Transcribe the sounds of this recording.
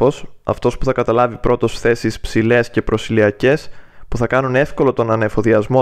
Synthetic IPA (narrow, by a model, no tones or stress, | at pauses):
o̞sɐ̰ft̪o̞spuθɐkɐt̪ɐlɐvipɾo̞t̪o̞sθe̞sispsile̞sce̞pɾo̞siliɐce̞spuθɐkɐnune̞fko̞lo̞t̪o̞nɐnefo̞ðiɐzmo̞